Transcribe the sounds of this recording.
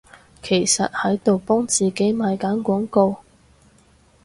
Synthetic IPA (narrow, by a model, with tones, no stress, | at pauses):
kʰe˨˩jsɐ˨t̚hɐ˨˥jt̪o˨wpɔː˥ŋt͡siː˨ke˨˥jmaː˨jkaː˨˥nkʷɔː˨˥ŋko˧w